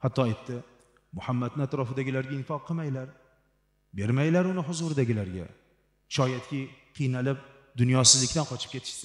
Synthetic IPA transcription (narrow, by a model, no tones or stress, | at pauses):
hat̪ʰːɒajt̪ʰːɪ | mʊhamːad̪nɪat̪ɾɒfɪd̪aɡʲɪlaɾɡʲaɪnfɒqʰːɨmajlaɾ | be̞ɾmajlaɾʊnɪɦʊzʊɾɪd̪aɡʲɪlaɾɡʲa̰ | ʃɒjat̪kʲɪqʰɨjnalɪp̚ | d̪ʊnjɒsɪzlɪkʲt̪anqʰɒt͡ʃʰɪ̥p̚kʲe̞t̪ʰɪ̥ʃt̪ɪ